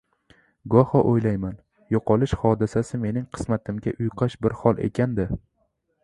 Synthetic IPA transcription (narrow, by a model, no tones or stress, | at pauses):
ɡɒhɒʔojlajman | joqʰɒlˠɪʃhɒd̪ɪsasɪme̞nɪŋqʰɨ̥smat̪ʰɪmɡʲaʔʊjqʰɑʃbɪɾhɒlˠʔe̞̰kʲʰand̪ɪ